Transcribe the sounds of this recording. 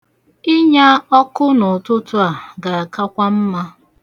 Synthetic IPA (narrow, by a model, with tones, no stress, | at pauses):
ɪ˦ɲa˦ɔ˦kʊ˦nʊ˨tʊ˦tʊ˦a˨ɡa˨a˨ka˦kʷa˦m̩˦ma˦